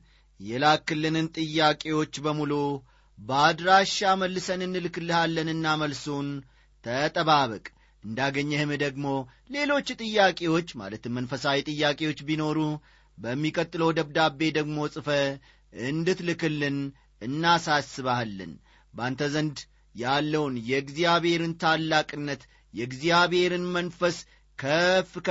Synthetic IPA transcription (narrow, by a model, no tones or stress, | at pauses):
jɛlakːɨlːɨnɨnt̪ʼɨjːakʼe̞wo̞t͡ʃːbəmulu | bəad̪ɾaʃːaməlːɨsənɨnːɨlɨkɨlːɨhalːənɨnːaməlson | t̪ʰət̪ʼəβaβəkʼ | ʔɨnd̪aɡəɲːɛhɨmɨd̪əɡmo̞ | le̞lo̞t͡ʃːt̪ʼɨjːakʼe̞wo̞t͡ʃːma̰lət̪ʰɨmmənfəsawit̪ʼɨjːakʼe̞wo̞t͡ʃːbino̞ɾu | bəmːikʼət̪ʼːɨləwd̪əβd̪abːe̞d̪əɡmo̞sʼɨfə | ɨnd̪ɨt̪lɨkɨlːɨn | ɨnːasasːɨβalːɨ̰n | bant̪ʰəzənd̪ | jalːəwnjɛɡzijaβhe̞ɾɨnt̪ʰalːakʼɨnːət̪ | jɛɡzijaβhe̞ɾɨnmənfəs | kʰəfk